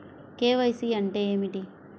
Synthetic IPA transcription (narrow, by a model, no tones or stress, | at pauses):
keːʋɐjsiːɐɳʈe̞ːeːmiʈi